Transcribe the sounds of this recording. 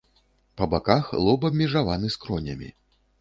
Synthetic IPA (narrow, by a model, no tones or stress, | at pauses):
pɐbakaxlˠɔbɐbʲmʲɛʐavanɨskɾɔnʲɐ̰mʲḭ